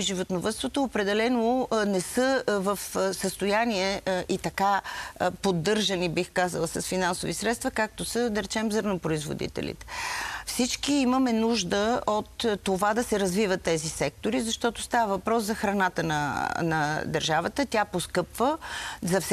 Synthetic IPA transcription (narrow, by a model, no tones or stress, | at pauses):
ʒivot̪novət̪st̪vot̪oːpɾɛd̪ɛlɛnonɛsɤvəfsəst̪ojaniɛʔit̪ɐkapod̪ːɤɾʒɐnibixkazəlˠəsɐsfinansovisɾɛt̪st̪vɐkak̚t̪osəd̪ɐɾɛt͡ʃɛmzɤɾnɐpɾoizvo̰d̪ḭt̪ɛ̰lʲḭt̪ɛ̥fsit͡ʃkiiməmɛnuʒd̪əot̪ːovad̪ɐsɛɾɐzvivət̪ːɛzisɛk̚t̪oɾizɐʃt̪ɔt̪ost̪avəvɐpɾɔszɐxɾɐnat̪ənɐ̰nɐd̪əɾʒavət̪ət̪ʲaposkɤpvəzɐfs